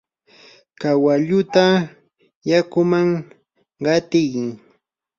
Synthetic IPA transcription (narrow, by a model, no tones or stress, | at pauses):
kawaʎʊt̪a | jakʊmaŋ | ɢɑt̪ɪjkɪŋ